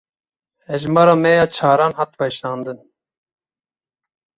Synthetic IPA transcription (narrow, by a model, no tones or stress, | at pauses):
ɛʒmɑːɾɑːmɛjɑːt͡ʃʰɑːɾɑːnɦɑt̪bɛʃɾɑːnd̪ɨn